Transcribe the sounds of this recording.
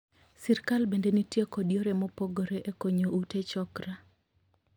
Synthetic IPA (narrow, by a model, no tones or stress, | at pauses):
sirkalbendenitjekɔdjoɾemɔpoɡoɾeʔekoɲoutet͡ʃɔkɾa